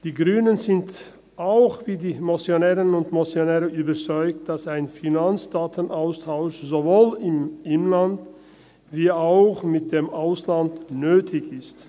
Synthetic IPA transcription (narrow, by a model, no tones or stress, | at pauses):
d̥iːɡʁyːnənzɪnt | ʔaʊxv̥iːdiːmosjonɛːʁənʊntmosjonɛːʁəʔyːbɐt͡sɔʏkt̚d̥asaɪnfinant͡sd̥aːtʰənʔaʊstʰaʊʃzovoːlɪmʔɪnlant | viːaʊxmɪt̚d̥eːmʔaʊslantnøːtʰɪçɪst